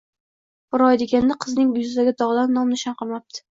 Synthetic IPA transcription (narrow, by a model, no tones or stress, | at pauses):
bʊɾɒjd̪eɡʲanːaqʰɨznɪŋjʊzɪd̪aɡʲad̪ɒʁd̪annɒmnɪʃɒnqʰɨlˠmap̚t̪ʰɪ̥